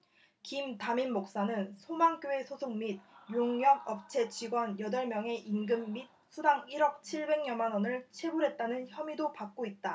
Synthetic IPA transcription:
kimtaminmok̚s͈anɯnsʰomaŋk͈joe̞sʰosʰoŋmit̚joŋɲjʌɡʌp̚t͡ɕʰe̞t͡ɕiɡwʌnjʌdʌɭmjʌŋe̞ʔinɡɯmːit̚sʰudaŋiɾʌk̚t͡ɕʰiɭbe̞ŋɲʌnmanʌnɯɭt͡ɕʰe̞buɾɦe̞t̚t͈anɯnçjʌmidopak̚k͈oit̚t͈a

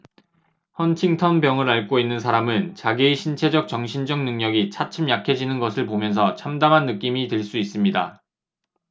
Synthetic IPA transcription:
hʌnt͡ɕʰiŋtʰʌnbjʌŋɯɾaɭk͈oinːɯns̬ʰaɾamɯnt͡ɕaɡieɕʰint͡ɕʰe̞d͡ʑʌk̚t͡ɕ͈ʌŋɕʰind͡ʑʌŋnɯŋɲʌɡit͡ɕʰat͡ɕʰɯmjakʰed͡ʑinɯnɡʌsʰɯɭpomjʌns̬ʰʌt͡ɕʰamdamɦanːɯk͈imiteɭs͈uis͈ɯmɲida̰

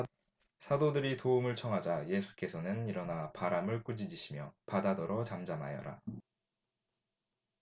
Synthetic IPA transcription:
sʰadodɯɾitoumɯɭt͡ɕʰʌŋɦad͡ʑaje̞sʰu̥k͈e̞sʰʌnɯniɾʌnapaɾamɯɭk͈ud͡ʑid͡ʑiɕʰimjʌpadadʌɾʌt͡ɕamd͡ʑama̰jʌ̰ɾa̰

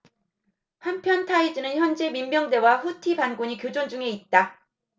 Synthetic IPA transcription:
hampʰjʌntʰaid͡ʑɯnɯnçjʌnd͡ʑe̞mimmjʌŋde̞waɸutʰibanɡuɲikjod͡ʑond͡ʑuŋe̞it̚t͈a

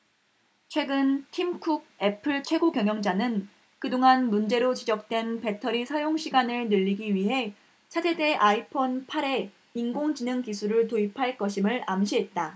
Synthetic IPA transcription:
t͡ɕʰwe̞ɡɯntʰimkʰuɡ̚e̞pʰɯɭt͡ɕʰwe̞ɡokjʌŋjʌŋd͡ʑanɯn | kɯdoŋanmund͡ʑe̞ɾot͡ɕid͡ʑʌk̚t͈we̞npe̞tʰʌɾisʰajoŋɕʰiɡanɯɭnɯʎːiɡiɥiɦe̞ | t͡ɕʰad͡ʑʰe̞de̞ʔaipʰonpʰaɾe̞ | inɡoŋd͡ʑinɯŋkisʰuɾɯɭtoipʰaɭk͈ʌɕʰimɯɭamɕʰiɦe̞t̚t͈a

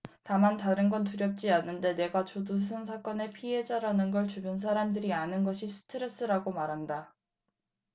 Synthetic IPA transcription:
tamantaɾɯnɡʌntuɾjʌp̚t͡ɕ͈ianːɯnde̞ne̞ɡat͡ɕodus̬ʰɯnsʰak͈ʌne̞pʰiɦe̞d͡ʑaɾanɯnɡʌɭt͡ɕubjuns̬ʰaɾamdɯɾianɯnɡʌɕʰisʰɯ̥tʰɯɾe̞s͈ɯɾaɡomaɾɦanda

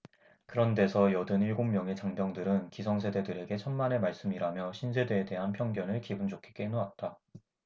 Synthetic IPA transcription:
kɯɾʌnde̞sʰʌjʌdɯniɭɡommjʌŋe̞t͡ɕaŋbjʌŋdɯɾɯnkisʰʌŋsʰe̞de̞dɯɾe̞ɡe̞t͡ɕʰʌnmane̞maɭs͈ɯmiɾamjʌɕʰinsʰe̞de̞ːde̞ɦanpʰjʌŋɡjʌnɯɭkibɯnd͡ʑokʰe̥k͈enoat̚t͈a

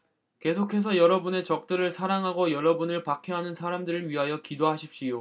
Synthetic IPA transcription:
ke̞sʰokʰe̞s̬ʰʌjʌɾʌbune̞t͡ɕʌk̚t͈ɯɾɯɭsʰaɾaŋɦaɡojʌɾʌbunɯɭpakʰjʌɦanɯnsʰaɾamdɯɾɯɾɥiɦajʌkidoɦaɕʰip̚ɕ͈ijo

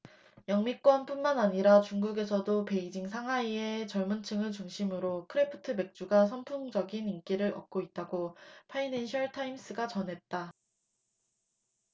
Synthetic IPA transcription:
jʌŋmik͈wʌnp͈unmanaɲiɾat͡ɕuŋɡuɡe̞sʰʌdope̞id͡ʑiŋsʰaŋɦwaiet͡ɕʌɭmunt͡ɕʰɯŋɯɭt͡ɕuŋɕʰimɯɾokʰɯɾepʰɯ̥tʰɯme̞k̚t͡ɕ͈uɡas̬ʰʌmpʰuŋd͡ʑʌɡinink͈iɾɯɾʌ̰k̚k͈oit̚t͈aɡopʰainenɕʰʌɭtʰaims͈ɯɡat͡ɕʌnɦe̞t̚t͈a

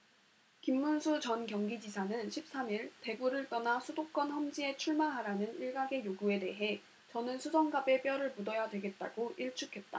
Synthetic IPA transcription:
kimːunsʰut͡ɕʌnkjʌŋɡid͡ʑisʰanɯnɕʰip̚s͈amiɭte̞ɡuɾɯɭt͈ʌnasʰudok͈̚ʌnɸʌmd͡ʑie̞t͡ɕʰuɭmaɦaɾanɯniɭɡaɡe̞joɡue̞de̞ɦe̞ | t͡ɕʌnɯnsʰusʰʌŋɡabe̞p͈jʌɾɯɭmudʌjadwe̞ɡe̞t̚t͈a̰ɡoʔiɭt͡ɕʰukʰe̞t̚t͈a̰

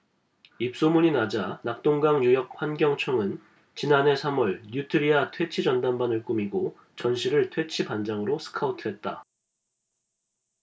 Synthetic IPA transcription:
ip̚s͈omuɲinad͡ʑanak̚t͈oŋɡaŋɲujʌk̚ɸwanɡjʌŋt͡ɕʰʌŋɯn | t͡ɕinanɦe̞sʰamʌɭɲjutʰɯɾiatʰwe̞t͡ɕʰid͡ʑʌndanbanɯɭk͈umiɡo | t͡ɕʌnɕʰiɾɯɭtʰwe̞t͡ɕʰipand͡ʑaŋɯɾosʰɯ̥kʰautʰɯɦe̞t̚t͈a̰

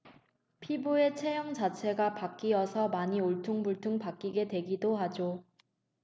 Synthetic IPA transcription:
pʰibue̞t͡ɕʰe̞jʌŋd͡ʑat͡ɕʰe̞ɡapak͈iʌsʰʌmaɲioɭtʰuŋbuɭtʰuŋpak͈iɡe̞dwe̞ɡidohad͡ʑo

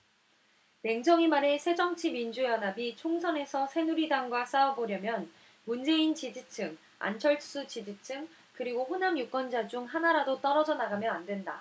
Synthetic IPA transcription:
ne̞ŋd͡ʑʌŋimaɾe̞sʰe̞d͡ʑʌŋt͡ɕʰimind͡ʑujʌnɦabit͡ɕʰoŋsʰʌne̞sʰʌsʰe̞nuɾidaŋɡwas͈aʌboɾjʌmjʌn | mund͡ʑe̞int͡ɕid͡ʑit͡ɕʰɯŋ | a̰nt͡ɕʰʌɭtʰs͈ut͡ɕid͡ʑit͡ɕʰɯŋ | kɯɾiɡoɸunamjuk͈ʌnd͡ʑad͡ʑuŋɦanaɾadot͈ʌɾʌd͡ʑʌnaɡamjʌandwe̞nda̰

